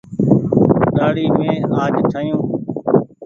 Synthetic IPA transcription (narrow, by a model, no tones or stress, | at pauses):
ɗaːɽiːmẽːaːd͡ʒt͡ʃʰəːjũː